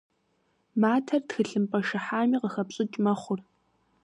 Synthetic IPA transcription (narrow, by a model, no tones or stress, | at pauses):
maːtʰɐrtxɨɬɨmpʼɐʃɨħaːmiːqəxɐpɕʼɪt͡ʃʼmɐχʷʊr